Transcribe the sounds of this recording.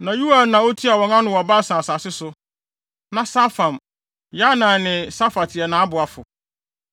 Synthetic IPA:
nã˨ju˦a˨nã˨o˦tʰi˦a˨wɔ̃˨nã˦nʊ̃˨wɔ˨ba˦˨sã˨sa˨sɪ˦sʊ˦ | nã˨sa˦fã˨m | ja˦nã˨nɪ̃˨sa˦fa˨tʰɪ˨ɛ˨nãː˨˦a˦bʊ˨a˨fʊ˨

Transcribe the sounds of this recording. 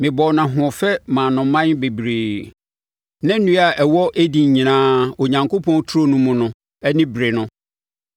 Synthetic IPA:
mɪ̃˨bɔ˨wnã˨ɦʊ̃˨ɔ˨fɛ˦mã˨nʊ̃˨mã˦n˦be˨bɾeː˨ | nã˦n˦nũ˦a˨ʔɛ˨wɔ˦ʔæ˦di˨ɲ˨ɲĩ˨nãː˦o˨ɲã˨ŋkʰo˦pʰɔ̃˦n˦tʰu˦ɾo˦nʊ̃˦mʊ̃˨nʊ̃˨ | ɛ˦nɪ̃˦bɾe˨nʊ̃˦

